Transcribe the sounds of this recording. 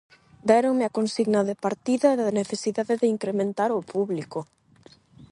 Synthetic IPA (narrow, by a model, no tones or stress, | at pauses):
d̪ɛɾoŋmɪakonsiɣnɐðɪpaɾt̪iðɐðaneθesiðaðɪðɪiŋkɾemẽnt̪aɾʊpuβlikʊ